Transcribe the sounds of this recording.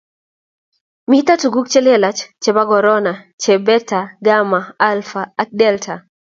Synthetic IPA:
mit̪atuɡuk̚t͡ʃɛlɛlat͡ʃt͡ʃɛbaɡɔɾɔna | t͡ʃɛbɛtaɡamaalfaːk̚dɛltʰa

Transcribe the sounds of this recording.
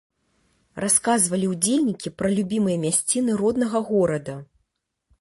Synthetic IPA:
rʔaskazvɐlʲiwd͡zʲelʲnʲikʲipɾɐlʲubʲimɨjɐmʲasʲt͡sʲinɨɾɔd̪nɐɣɐɣɔɾɐd̪ɐ

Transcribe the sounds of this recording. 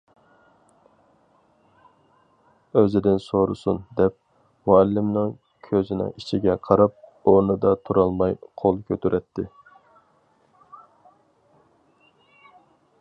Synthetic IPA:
øzɪd̪ɪnsoɾṵsund̪ɛp̚ | mɑɛlːɪmnɨŋ | kʲʰøzɪnɪ̰ŋit͡ʃʰiɡʲɛqʰɑɾɑp̚onɨd̪ɑt̪ʰuɾɑlˠmɑjqʰolˠkʲʰøt̪ʰyɾʔɛt̪ʰːɪ

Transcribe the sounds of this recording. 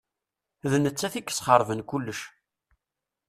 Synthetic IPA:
ðnət͡sːæθikːə̥sˤχəɾˤvənkulːəʃ

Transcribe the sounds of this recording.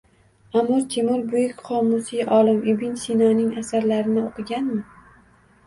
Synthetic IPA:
amːʊɾt̪ʰemʊɾbʊjɪkʲqʰɒmːʊsiʔɒlˠɪmɪbɪnsinɒnɪŋasaɾlaɾɪnɪoqʰɨɡʲanmɪ

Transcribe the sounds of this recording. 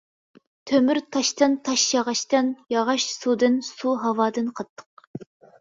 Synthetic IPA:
t̪ʰømyɾt̪ʰɑʃt̪ɨnt̪ʰɑʃjɑʁɑʃt̪ɨnjɑʁɑʃsud̪ɨnsuɦɑwɑːd̪ɨnqʰɑt̪ʰːə̥q̚

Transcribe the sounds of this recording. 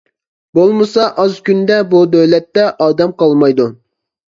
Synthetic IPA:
bolˠmɨsɑʔɑzkʲynd̪ɛbud̪øwlɛt̪ːɛʔɑːd̪ɛmqʰɑlˠmɑjd̪u

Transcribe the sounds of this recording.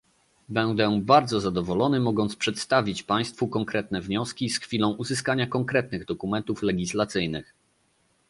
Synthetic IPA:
bɛnd̪ɛbaɾd̪zɔzad̪ɔvɔlɔnɘmɔɡɔnt̪spʂɛt̪st̪avʲit͡ɕpaj̃st̪fukɔŋkɾɛt̪̚nɛvɲɔskʲisxfʲilɔ̃w̃ʔuzɘskaɲakɔŋkɾɛt̪̚nɘɣd̪ɔkumɛnt̪uflɛɡʲislat̪sɘjnɘx

